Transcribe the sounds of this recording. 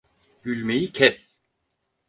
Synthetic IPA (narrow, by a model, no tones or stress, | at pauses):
ɟ̥ylʲmejicʰɛs